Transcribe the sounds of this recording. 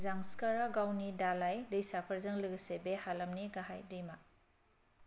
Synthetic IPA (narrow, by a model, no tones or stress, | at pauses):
zaŋskaɾaɡawnidalajdɯjsapʰaɾzɯŋlɯɡsebehalɐmniɡaɦajdɯjma